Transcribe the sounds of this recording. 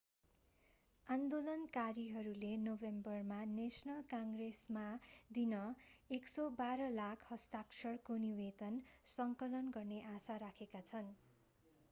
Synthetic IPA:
and̪olʌnkaɾiɦʌɾulenobembʌrmanesʌnʌlkaŋɡresmad̪inʌeksʌbaɾʌlakʰhʌst̪aksʰʌɽkoniwed̪ʌnsʌŋkʌlʌnɡʌrneʔasaɾakʰekat͡sʰʌn

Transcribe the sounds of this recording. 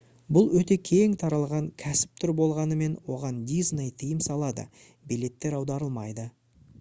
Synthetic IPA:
bʊlˠwɵt̪e̞kʲʰe̞ŋt̪ʰɑɾɑlˠʁɑŋkʲʰæsɪ̥p̚t̪ʰʏɾbo̞lˠʁɑnəme̞nwo̞ʁɑnd̪ʲiznejt̪ʰəjɪmsɑlˠɑd̪ə̰ | bijle̞t̪ːe̞ɾɑwd̪ɑɾəlˠmɑjd̪ə

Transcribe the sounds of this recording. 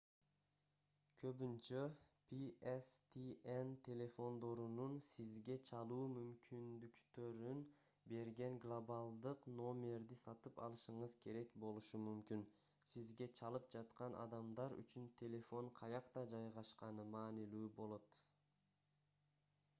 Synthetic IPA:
kʰø̞βynt͡ʃøpʰiest̪ʰient̪ʲʰe̞lʲe̞fo̞nd̪o̞ɾununsizɡe̞t͡ʃʰɑlˠuːmymkynd̪ykt̪ø̞ɾyn | be̞ɾɡe̞ŋɡlˠobalˠd̪ɯqno̞mʲe̞ɾd̪isɑt̪ɯpɑ̰lˠɯʃɯɴɯzkʰe̞ɾe̞kbo̞lˠuʃumymkyn | sizɡe̞t͡ʃʰɑlˠɯp̚d͡ʒɑt̪qɑnʔɑ̰d̪ɑmd̪ɑɾy̰t͡ʃynt̪ʲʰe̞lʲe̞fo̞ɴqʰɑjɑqt̪ɑd͡ʒɑjʁɑʃqɑnɯmɑːnilyːbo̞lˠo̞t̪

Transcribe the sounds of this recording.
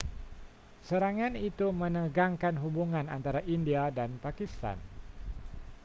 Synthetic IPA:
səɾaŋanit̪umənəɡaŋkanɦubuŋana̰nt̪aɾaʔindiadanpakist̪a̰n

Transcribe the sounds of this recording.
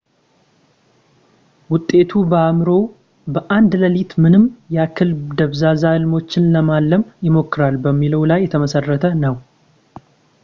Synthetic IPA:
wʊt̪ʼːe̞t̪ʰubəamɾo̞ | bəʔand̪ləlit̪mɨnɨmjakʰɨlbd̪əβzazahɨlmo̞t͡ʃːɪnləmalːəmjɪmo̞kːɨɾalbəmːiləwlajːɛt̪ʰəməsərːət̪ʰənəw

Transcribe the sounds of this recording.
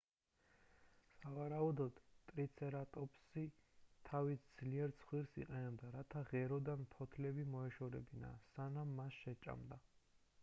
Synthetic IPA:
savaɾaud̪ɔd̪t̪ʼɾit̪sʰɛɾat̪ʼɔpʰʼsit̪ʰavisd̪z̥liɛɾt̪sʰχwiɾsḭqʼɛnɛbd̪aɾat̪ʰaʁɛɾɔd̪anpʰɔt̪ʰlɛbimɔɛʃɔɾɛbina̰sanamːasʃɛt͡ʃʼa̰md̪a

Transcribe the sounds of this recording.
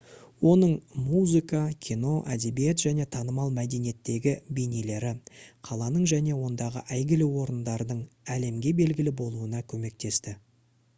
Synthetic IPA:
wo̞nəɴmuzɨkɑkʲʰino̞ʔæd̪e̞bijet̪ʒæne̞t̪ʰɑnəmɑlˠmæd̪e̞nije̞t̪ːe̞ɡʲɪbenile̞ɾɪqʰɑlˠɑnəɴʒæne̞wo̞nd̪ɑʁə̰ʔæjɡʲɪlɪwo̞ɾənd̪ɑɾd̪əɴæle̞mɡʲe̞be̞lɡʲɪlɪbo̞lˠuənɑkʲʰɵme̞k̚t̪e̞st̪ɪ

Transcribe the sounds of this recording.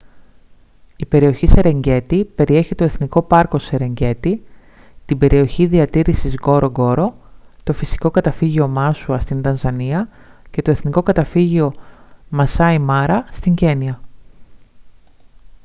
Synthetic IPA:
ipe̞ɾio̞çise̞ɾe̞ɲɟe̞t̪ipe̞ɾie̞çit̪o̞e̞θniko̞pɐɾko̞se̞ɾe̞ɲɟe̞t̪i | t̪ibe̞ɾio̞çiðiɐt̪iɾisizɣo̞ɾo̞ɡo̞ɾo̞t̪o̞fisi̥ko̞kɐt̪ɐfiʝio̞mɐsuɐst̪int̪ɐnzɐniɐ | ce̞t̪o̞e̞θniko̞kɐt̪ɐfiʝio̞mɐsɐimɐɾɐst̪iɲɟe̞niɐ

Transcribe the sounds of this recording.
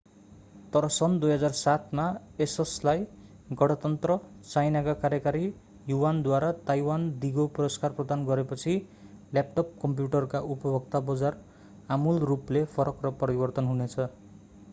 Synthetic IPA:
t̪ʌɾʌsʌnd̪ujɦʌd͡zarsat̪ʰmaeseslaj | ɡʌɽ̃ʌt̪ʌnt̪rʌ | t͡sajnakakaɾjʌkaɾi | juwand̪waɾat̪ajwand̪iɡopʌrʌskarprʌd̪anɡʌɾepʌt͡sʰi | lap̚ʈʌp̚kʌmp̬juʈʌrkaʔupʌbʱʌk̚t̪abʌd͡zar | amulruplepʰʌɾʌkrʌpʌɾibʌrt̪ʌnɦunet͡sʰʌ

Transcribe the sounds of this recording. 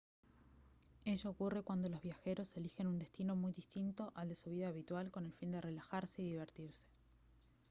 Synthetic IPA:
eʒoːkure̞kwand̪o̞lo̞zβjaxe̞ɾo̞se̞lixe̞nund̪e̞st̪ino̞mujðist̪int̪o̞ʔald̪e̞suβiðaːβit̪walko̞ne̞lfind̪ere̞laxaɾse̞iðiβ̞eɾt̪iɾse̥

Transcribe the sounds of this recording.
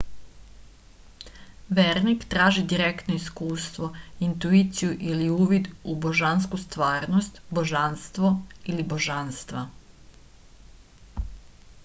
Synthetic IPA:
ʋeːɾnikt̪ɾaːʒid̪iɾekt̪noiskuːst̪ʋo̞int̪uit̪sijuʔiliuːʋid̪uboʒanskust̪ʋaːɾnost̪boʒanst̪ʋo̞iliboʒanst̪ʋa

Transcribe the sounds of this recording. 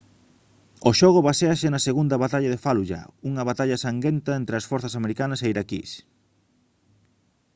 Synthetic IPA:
oʃɔɣʊβaseasenɐseɣund̪ɐβat̪aʎɐðefaluʎa̰uŋɐβat̪aʎɐsaŋɡent̪ɐent̪ɾeɐsfɔɾθɐsameɾikanɐseiɾakḭs

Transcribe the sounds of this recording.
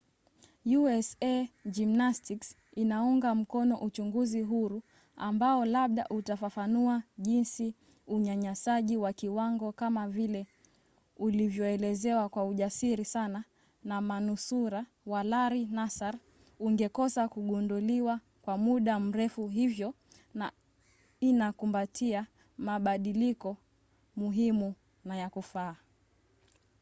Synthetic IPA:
juɛsɛd͡ʒimnastiks | inauŋɡam̩kɔnɔʔut͡ʃuŋɡuziɦuɾu | ambaɔlaɓɗa̰ʔutafafanuaʄinsi | uɲaɲasaʄiwakiwaŋɡɔkamavilɛ | ulivjɔɛlɛzɛwakwauʄasiɾisana | namanusuɾa | walaɾinasaɾ | uŋɡɛkɔsakuɠunduliwa | kwamuɗam̩ɾɛfuɦivjɔ | na | inakumbatʰia | maɓaɗilikɔ | muɦimu | najakufaː

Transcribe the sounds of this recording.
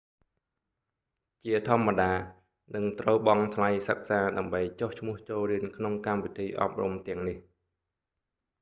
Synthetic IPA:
t͡ɕiət̪ʰŏəmːaɗaː | nɨŋt̪rəwɓɑŋt̪ʰlajsək̚saːɗaəmɓəjt͡ɕoht͡ɕʰmʊ̆əht͡ɕoːlriənkʰnoŋkampit̪ʰiːʔɑ̰p̚rṵmt̪ɛ̆əŋnih

